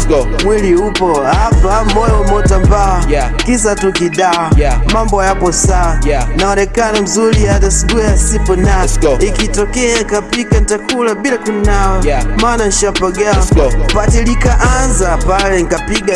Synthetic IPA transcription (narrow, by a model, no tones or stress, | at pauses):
mwiliupɔapambɔjɔɔmɔtampakisatukiɗamambɔjapɔsanaɔɾɛkanam̩zuliadasiɡujasipɔnaikitɔkɛaŋkapikantakʰulaɓilakunawamananʃapaɡapatilikaʔanzapalɛŋkapiɡa